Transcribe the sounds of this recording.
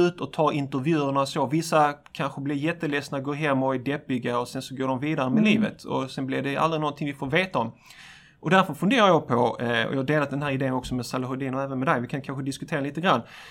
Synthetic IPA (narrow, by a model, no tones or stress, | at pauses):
ʉ̟ːt̪ɔt̪ʰɑːɾɪnt̪əɾvjʉ̟ːəɳasovɪsːakʰanɧəblɪɾjɛt̪ːəlɛsnaɡoːɾɦɛmːɔædɛpːɪɡaɔsɛnsɔɡoːɖɔmviːd̪aɾəmɛliːvə̰t̪ʰɔ̰sɛnblɪɾɖɛʔa̰ld̪ɾɪnɔnt̪ʰɪŋvɪfoːɾveːt̪aɔm | ʔɔd̪æɾfœɾfɵnd̪eːɾajɑpʰɔɔ̰jɑːhad̪eːlat̪̚d̪ɛnɦæːɾɪd̪eːənɔksɔmɛd̪salaɦʊd̪iːnɔæːvənmɛd̪ɛjvɪkʰankʰanɧəd̪ɪskɵt̪ʰeːɾaliːt̪əɡɾanː